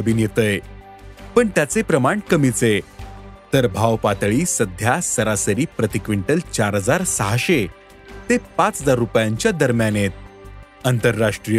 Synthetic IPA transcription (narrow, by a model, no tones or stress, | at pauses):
əbiːnjet̪əj | pəɳt̪jat͡sepɾəmaɳkəmit͡se | t̪əɾbʱaʋpat̪ɭiːsəd̪ʱjasəɾasəɾiːpɾət̪ikʋiɳʈəlt͡ɕaɾɦəd͡zaɾsəɦaɕe | t̪epat͡sd͡zaɾːupjãɲt͡ɕjad̪əɾmjanet̪̚ | ənt̪əɾːaʂʈɾijə